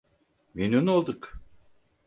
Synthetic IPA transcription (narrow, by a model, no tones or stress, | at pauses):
mynynolˠd̪uk